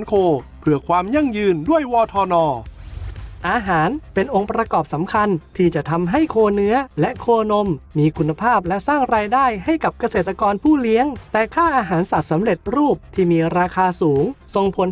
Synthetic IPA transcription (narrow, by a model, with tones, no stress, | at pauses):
nkʰoː˧pʰɯ˧˩ɐkʰwaː˧mja˥˩ŋjɯː˧ndu˥˩əjwɔː˧t̪ʰɔː˧nɔː˧ | ʔaː˧ɦaː˩˦npe˧nʔo˧ŋpɾa˧kɔː˨˩p̚sa˩˦mkʰa˧nt̪ʰiː˥˩t͡ɕa˨˩t̪ʰa˧mɦa˥˩jkʰoː˧nɯ˦˥ɐlɛ˦˥ʔkʰoː˧no˧mːiː˧kʰu˧nːa˧pʰaː˥˩p̚lɛ˦˥ʔsaː˥˩ŋɾaː˧jdaː˥˩jɦa˥˩jka˨˩p̚ka˧seː˨˩t̪ːa˧kɔː˧npʰuː˥˩li˦˥əŋt̪ɛː˨˩kʰaː˥˩ʔaː˧ɦaː˩˦nsa˨˩t̪̚sa˩˦mɾe˨˩t̪̚ɾuː˥˩p̚t̪ʰiː˥˩miː˧ɾaː˧kʰaː˧suː˩˦ŋso˧ŋpʰo˨˩˦